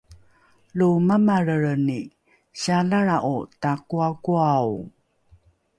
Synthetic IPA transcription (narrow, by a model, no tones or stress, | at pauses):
lumamaɾəɾəni | ɕaɮaɾaʔutakuakuaw